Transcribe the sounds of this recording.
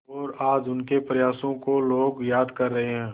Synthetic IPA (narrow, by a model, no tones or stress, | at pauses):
ɔːɾaːd͡ʒʊnkepɾɐjaːsõkoloːɡjaːd̪kɐɾːɐɦeɦɛ̃ː